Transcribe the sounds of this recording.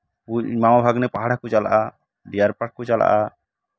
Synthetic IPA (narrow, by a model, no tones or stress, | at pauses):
umawabʱaɡnɛpaɦaɽakɔt͡ʃala̰ʔa | ɖijaɾpaʈ̚kɔt͡ʃala̰ʔa